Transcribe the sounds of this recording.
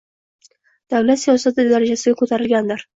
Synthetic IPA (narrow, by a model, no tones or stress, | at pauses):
d̪̥awlat̪sijɒsat̪ʰɪd̪aɾad͡ʒasɪɡʲakʰot̪ʰaɾɪlɡʲand̪ɪɾ